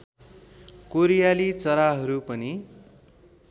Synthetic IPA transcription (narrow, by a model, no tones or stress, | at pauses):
koɾijalit͡sʌɾaɦʌɾupʌni